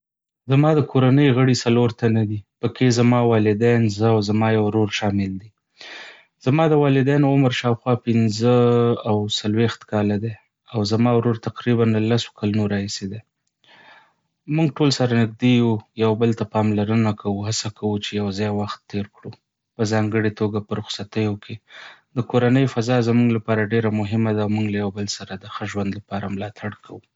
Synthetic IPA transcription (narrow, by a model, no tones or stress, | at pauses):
zamɑd̪əkʰoɾanəjɣəɽisaloɾt̪anad̪ipəkʰezamɑwɑlɪd̪ajnzəwzamɑjawɾoɾʃɑmɪld̪i | z̥amɑd̪əwɑlɪd̪ajnʊmɾʃɑwxwɑpɪnzəawsalwext̪kɑlad̪e | awzamɑwɾoɾt̪aqɾibanəlaso̥kalunoɾɑhised̪e | muŋɡ̚ʈolsaɾanɪɡ̚d̪ejujawbəlt̪apɑmlaɾənakʰawuɦasakʰawut͡ʃejawzɑjwaxt̪ːeɾkɽu | pəzɑŋɡəɽet̪oɡapəɾʊxsat̪əjokʰed̪əkoɾanəjfazɑzamuŋɡlapɑɾaɖeɾamʊɦɪmad̪aːwmuŋɡlajawbəlsaɾad̪əxəʒwand̪lapɑɾamlɑt̪ʰaɽkʰawu